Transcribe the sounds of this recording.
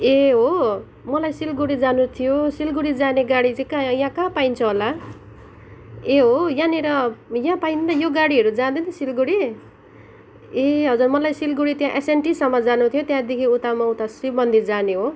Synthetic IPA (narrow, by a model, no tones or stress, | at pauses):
eɦo | mʌlajsilɡuɽid͡zanut̪ʰijosilɡuɽid͡zaneɡaɽit͡saikajãkãpaint͡sʰʌɦola | eɦojaneɾʌjãpaind̪ajoɡaɽiɦʌɾud͡zãd̪ʌnisilɡuɽi | eɦʌd͡zurmʌlajsilɡuɽit̪jãʔesenʈisʌmːʌd͡zanut̪ʰijot̪jãd̪ekʰiut̪amaut̪aswibʌnd̪ʱit̪̚d͡zaneɦo